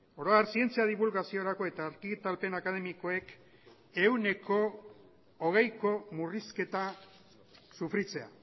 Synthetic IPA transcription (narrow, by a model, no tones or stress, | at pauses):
o̞ɾoaɾsie̞nt͡siað̞iβulɣasioɾako̞e̞t̪aːɾkit̪alpe̞nakað̞e̞miko̞e̞k | e̞wne̞ko̞ː | ɣ̞e̞jko̞muriske̞t̪a | sufɾit͡se̞a̰